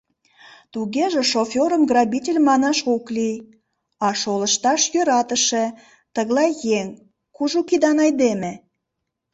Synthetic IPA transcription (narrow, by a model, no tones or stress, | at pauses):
t̪uɣeʒĕʃofʲoɾəmɡrɑbʲitʲelʲmɑnɑʃoklij | ɑʃoləʃt̪ɑʃjøɾɑt̪əʃe̽ | t̪əɣlˠɑjjeŋ | kuʒukid̪ɑnɑjd̪emĕ